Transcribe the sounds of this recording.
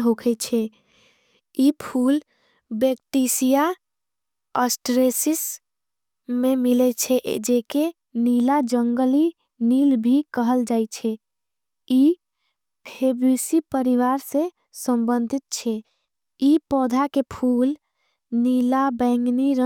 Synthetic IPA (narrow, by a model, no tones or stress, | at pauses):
ɦokʰɛt͡ʃʰɛ | ipʰul | bek̚ʈ̪isija | əsʈɾesis | memilɛt͡ʃʰɛ̰d͡ʒeke | nilad͡ʒəŋɡəli | nilbʱikəɦəld͡ʒajt͡ʃʰɛ | i | pʰebɾisipəɾiʋaɾsẽ | səmbənd̪ʱit̪̚t͡ʃʰɛ | ipɔd̪ʱakepʰul | nilabɛ̃ŋɡniɾə